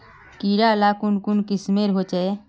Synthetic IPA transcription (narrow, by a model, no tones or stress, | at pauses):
kiːɾalaːkʊnkʊnkɪsmeɾɦot͡ʃɛe